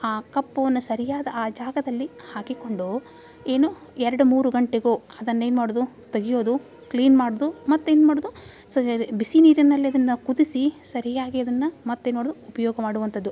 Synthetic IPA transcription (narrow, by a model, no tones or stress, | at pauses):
aːkɐpːɐʋɐnːusɐɾijaːd̪ɐaːd͡ʒaːɡɐd̪ɐlːihaːkiko̞ɳɖu | e̞ːnu | ɛɾɐɽumuːɾuɡɐɳʈeɡoː | ɐd̪ɐnːɐeːnmaːɽod̪u | t̪eɡijoːd̪u | kliːnmaːɽoːd̪umɐt̪ːueːnːmaːɽoːd̪u | sɐbisiniːɾinːɐlːiɐd̪ɐnːɐkud̪isisɐɾijaːɡiɐd̪ɐnːɐmɐt̪ːeːnmoːɽd̪uupɐjɔːɡɐmaːɽuʋɐnt̪ɐd̪ːu